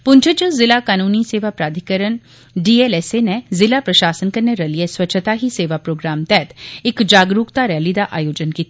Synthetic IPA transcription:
pʊ̃ɲt͡ʃʰət͡ʃəzɪlakaːnuːniseːʋapɾaːd̪ʱikəɾən | ɖiːeːleːsenezɪlapɾɐʃaːsənkɐɾneɾɐlijeswɐtːʃʰət̪aɦiseːʋapɾoːɡɾaːmt̪ɛːt̪ɪkd͡ʒaːɡɾuːkt̪aɾɛːlid̪aʔa̰ːjoːd͡ʒənkiːt̪ʰi

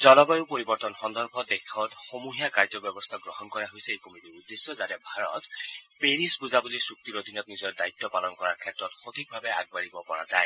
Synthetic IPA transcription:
zɔlɔbajʊpoɹibɔɹtɔnxɔndɔɹbʰʱɔdekʰɔtxomuɦijakaɹzɔbjɔbɔst̪ʰaɡɹɔɦɔnkɔɹaɦojsɛejkomitiudːesːɔzatɛbʱaɹɔ̰tpeɹisbuzabuzisuk̚tiɹod̪ʱinɔtnizɔɹdajt̪ːɔpalɔnkɔɹaɹkʰɛtɹɔtxot̪ʰik̚bʱabɛa̰ɡ̚baɹibɔkɔɹa̰za̰j

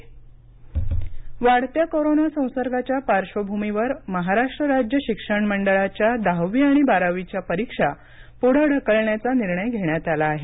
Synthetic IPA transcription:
ʋaɽt̪jakoɾonasə̃w̃səɾɡʱat͡ɕjapaɾʂəbʱumiʋəɾməɦaɾaʂʈɾəɾad͡ʑjəɕikʂəɳməɳɖəɭat͡ɕjad̪aʋiaɽ̃ibaɾaʋit͡ɕjapəɾikʂa | poɽ̤əɽ̤ʱəkəɭɳjat͡saniɾɳəjɡʱeɳjat̪alaːɦe

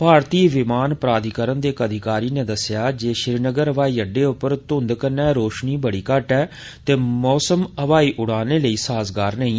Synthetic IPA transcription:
paːɾt̪iːʋɪmaːnpɾaːd̪ikəɾənd̪eːkəd̪ʱɪkaːɾiːnẽːd̪əsɪjaːd͡ʒeːʃɪɾinəɡəɾəʋaːiːəɖːeːʊpːəɾt̪ʊ̃nd̪kənːɛːɾoːʃniːbəɽiːkəʈɛː | t̪eːmɔːsəməʋaːiːʔʊɽaːneːləiːsaːzɡaːɾnəĩː

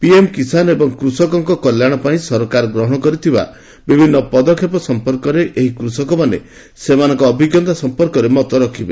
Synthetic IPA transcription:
piemkisanebɔŋkɾusɔkɔŋkɔkɔljaɽ̃ɔpaĩsɔɾɔkaɾɔɡɾɔɦɔɽ̃ɔkɔɾit̪ʰiba̰ | bibʱinːɔpɔd̪ɔkʰːjepɔsɔmpɔɾkɔɾeʔeɦikɾusɔkɔmanḛ | semanɔŋkɔːbʱiɡɔnt̪asɔmpɔɾkɔɾemɔt̪ɔɾɔkʰibe

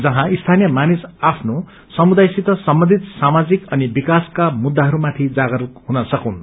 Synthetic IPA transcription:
d͡zʌɦãist̪ʰanijʌmanisapʰno | sʌmud̪ajsit̪ʌsʌmbʌnd̪ʱit̪samad͡zikʌnibikaskamud̪ːaɦʌɾumat̪ʰid͡zaɡʌɾukɦunʌsʌkun

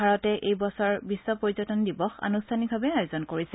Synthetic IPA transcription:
aɹɔtɛʔejbɔsɔɹbisːɔpoɹizɔtɔndibɔxa̰nustʰanibʱabɛajzɔnkoɹisɛ

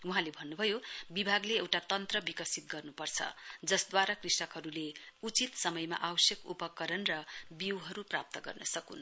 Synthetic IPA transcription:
uɦãlebʱʌnːubʱʌjobibʱaɡleewʈat̪ʌnt̪rʌbikʌsit̪̚ɡʌrnupʌrt͡sʰʌ̰d͡zʌsd̪waɾakrisʈʌkɦʌɾuleut͡sit̪sʌmʌjma̰ʔawʌsjʌkupʌkːʌɾʌnrʌbiwɦʌɾuprap̚t̪ʌɡʌ̰rnʌsʌkṵn

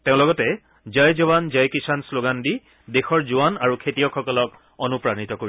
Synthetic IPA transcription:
teʊ̃lɔɡɔtɛ | zajzɔbanzajkisansloɡandi | dexɔɹzuwanaɹukʰetijɔkxɔkɔlɔk | onupɹanitɔkoɹi

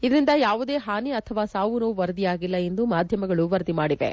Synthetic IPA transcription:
id̪ɐɾind̪ɐjaːʋud̪e̞ːɦaːniɐt̪ʰɐʋaːsaːʋunuːʋɐɾɐd̪ijaːɡilːɐe̞nd̪umaːd̪ʱjɐmɐɡɐɭuʋɐɾd̪imaːɽiʋḛ

